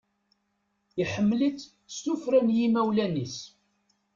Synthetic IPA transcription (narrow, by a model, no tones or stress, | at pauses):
iħəmːlit͡sː | st̪ufɾænjimæwlænis